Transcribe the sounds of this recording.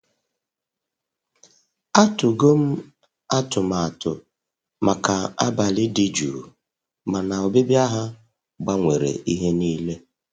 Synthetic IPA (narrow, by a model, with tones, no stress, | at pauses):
a˦tʊ˨ɡo˦m̩˦ | a˦tʊ˨ma˨a˨tʊ̰˨ | ma˨ka˨a˦ba˨lɪ˦dɪ˦d͡ʒuː˨ | ma˨na˨o˨bɪ˦bja˦ɦa˦ | ɡ͡ba˦ŋʷe˨ɾḛ˨ʔi˦ɦe˦niː˦le˦